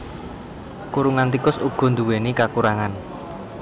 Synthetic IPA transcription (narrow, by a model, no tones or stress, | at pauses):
kuɾuŋant̪ikʊsuɡ̥ɔ̤nd̪uwenikakuɾaŋan